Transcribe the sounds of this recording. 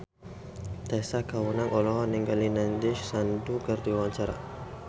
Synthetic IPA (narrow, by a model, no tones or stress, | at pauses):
t̪asakawunaŋɔlɔɦɔniŋɡalinandiʃsandukərd̪iwaɲt͡ʃaɾa̰